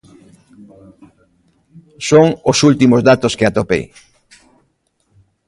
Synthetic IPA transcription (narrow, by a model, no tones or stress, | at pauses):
soŋʊsult̪imozðat̪oskeat̪opḛj